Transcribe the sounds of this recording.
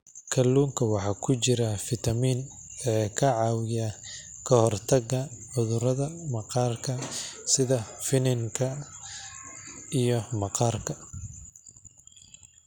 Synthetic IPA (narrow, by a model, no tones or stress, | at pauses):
kʰɐlːuːŋkʰɐwɑħɑːkʰʊt͡ʃɪɾɐfɪt̪ʰɐmiːn | ɛːkʰɐʕɑːwɪjɐ | kʰɐhɔrt̪ʰɐɡɐħʊðʊɾɐðɐmɑqɑːrkʰɐsɪðɐfɪnɪŋkʰɐ | ijɔmɑqɑːrkʰɐ